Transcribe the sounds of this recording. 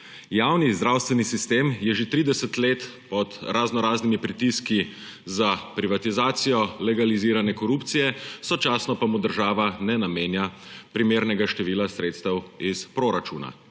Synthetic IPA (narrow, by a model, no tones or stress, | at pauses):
jaːwnizd̪ɾaːwst̪ʋɛnisist̪eːmjɛʒet̪ɾiːd̪ɛsət̪leːt̪ | pɔt̪ɾʔaznɔɾaːznimipɾit̪iski | zapɾiʋat̪izaːt̪sijɔlɛɡaliziːɾanɛkɔɾupt̪sijɛsɔt͡ʃaːsnɔpamud̪əɾʒaːʋanɛnameːnjapɾimeːɾnɛɡaʃt̪ɛʋiːlasɾeːt̪st̪əwispɾoɾat͡ʃuːna̰